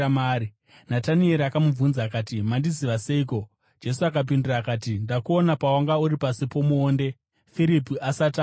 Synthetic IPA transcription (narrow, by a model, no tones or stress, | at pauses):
maːɾi | natanie̞ɾiakamuvunzakatimandiziʋase̞iko̞ | d͡ʒe̞suakap̬indiraːkaːtindakuonapawaŋɡauɾipasipo̞muoːnde̞ | fiɾipiʔasata